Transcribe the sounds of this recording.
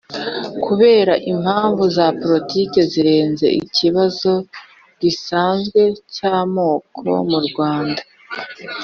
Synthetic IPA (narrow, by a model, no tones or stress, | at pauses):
kuβe̞ːɾaʔim̥haːɱvuzapoɾitike̞ziɾe̞ːnze̞̰ʔḭciβazo̞ | ɟisaːnzɡwe̞caːmo̞ːkʰo̞̰muɾɡwaːnda